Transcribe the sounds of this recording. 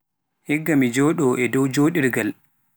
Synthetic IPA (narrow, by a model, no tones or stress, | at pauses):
hɛɡːamid͡ʒɔːɗɔʔɛdɔwd͡ʒoɗiɾɡal